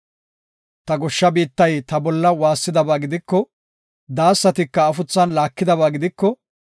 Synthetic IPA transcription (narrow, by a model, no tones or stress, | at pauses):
t̪ɐɡɔʃːɐbiːt̪ːɐjt̪ɐbɔlːɐwaːsːɪd̪ɐbaːɡɪd̪ɪkːɔ | d̪aːsːɐt̪ɪkːɐːfʊt͡sːɐnlaːkːɪd̪ɐβaːɡɪd̪ɪkːɔ